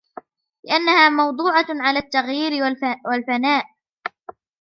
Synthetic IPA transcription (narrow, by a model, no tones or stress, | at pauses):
lɪʔanːahaːmɑwd̪ˤuːʕɑʕalaːt̪ːaɣjiːɾɪwalfanaːʔ